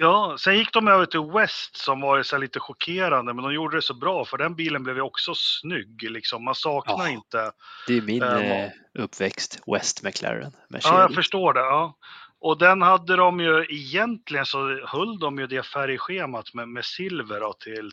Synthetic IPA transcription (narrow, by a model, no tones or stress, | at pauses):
jɑːsɛnjɪkːd̪ɔmøːvət̪ʰɪlwɛst̪sɔmvɑːɾɪt̪sɛɭiːt̪əɧʊkʰeːɾand̪əmɛnd̪ɔmjuːɖəd̪ɛsɔbɾɑːfœɖɛnbiːlənblɛːvjəɔksɔsnʏɡːlɪksɔmːansɑːknaɪnt̪əd̪ɛmɪn | ɵpːvɛkst̪wɛ̰st̪mɛkʰlɛ̰ɾə̰nmɛ̰ɑːjaːɡfœʂʈoːɖɛɑːʔɔd̪ɛnhad̪ːəd̪ɔmjɵɛjɛnt̪lɪɡənsɔhɵlːd̪ɔmjɵd̪ɛfæɾjɧeːmat̪mɛmɛsɪlvəɖɔt̪ʰɪl